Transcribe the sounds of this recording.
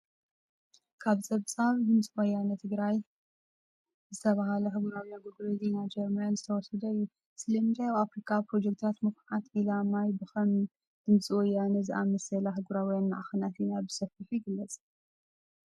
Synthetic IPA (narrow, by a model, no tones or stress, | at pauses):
kʰaβsʼɐβsʼaβd̪ɨmt͡sʼiwɔjanɐt̪ʰɨɡɾaj | zɨt̪ʰɐβaɦalɐɦɨɡuɾawijaɡoɡɾezinad͡ʒɛɾmanzɨt̪ʰɐwɔsɨd̪ɐɨjːu | sɨlɐnd͡ʒajaβafɾikʰapɾo̞d͡ʒekt̪ʰat̪mɨkʰħat̪ʔilamajbɨxɐm | d̪̥ɨmsʼiwɔjːanɐzɨʔamɐsɐlaɦɨɡuɾawijanmaʕaxɨnat̪inabɨsɐfiħjɪɡɨlːɐt͡sʼ